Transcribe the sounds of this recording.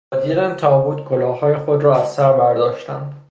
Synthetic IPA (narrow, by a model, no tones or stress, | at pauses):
ɒd̪iɾænt̪ʰɒːbuːt̪kʰolɒːhɒːjexod̪ɾɒːæzsæɾbæɾd̪ɒːʃt̪æ̰nd̪̥